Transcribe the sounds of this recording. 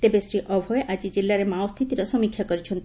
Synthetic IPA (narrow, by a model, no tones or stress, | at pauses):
t̪ebesɾiʔɔbʱɔeʔad͡ʒid͡ʒilːaɾemaost̪ʰit̪iɾɔsɔmikʰːjakɔɾit͡ʃʰɔnt̪